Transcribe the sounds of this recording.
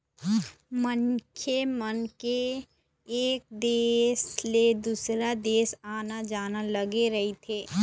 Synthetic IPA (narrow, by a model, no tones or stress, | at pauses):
mənkʰemənkeː | k̚d̪eːsled̪usɾad̪eːsaːnad͡ʒaːnaləɡeɾəɦit̪ʰeː